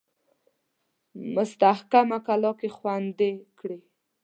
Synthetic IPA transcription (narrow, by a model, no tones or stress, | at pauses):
mʊst̪ahkamakalɔkexwand̪ekɽe